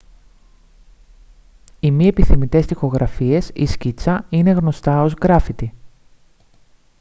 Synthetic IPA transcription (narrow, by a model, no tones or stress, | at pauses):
imie̞piθimit̪e̞st̪ixo̞ɣɾʔɐfie̞sḭscit͡sɐine̞ɣno̞st̪ɐo̞zɣɾɐfit̪i